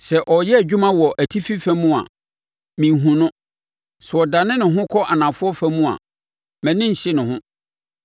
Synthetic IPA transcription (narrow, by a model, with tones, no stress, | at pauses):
sɛ˨ʔɔ˨jɛ˦æ˨d͡ʑᶣu˦mã˦wɔ˨ʔæ˨tʰi˦fi˦fæ̃˦mũ˦a̰˨ | mĩ˨ɦũ˨nʊ̃˦ | sʊ˨ɔ˨da˨nɪ̃˦nʊ̃˨ɦʊ̃˦kʰɔ˦ʔa˨nã˨fʊ˦ɔ˦fæ˦mũ˦a̰˨ | mɛ̃˨nɪ̃˦ɲ̩˨ɕɪ˦nʊ̃˨hʊ̃˦